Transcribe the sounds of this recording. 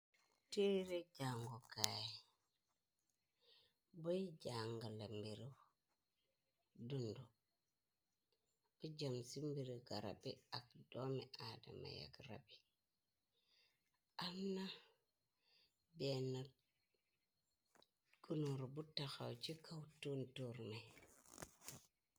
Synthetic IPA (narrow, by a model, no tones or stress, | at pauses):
teɾed͡ʒaŋɡokaji | boid͡ʒaŋɡalambiɾi | dundu | ud͡ʒamsimbiɾiɡaɾa̰biak̚domiʔada̰ma̰ja̰kɾa̰bi | amna | bena | ɡunuɾbutːaxa̰wt͡ʃikʰawtuntuɾmaj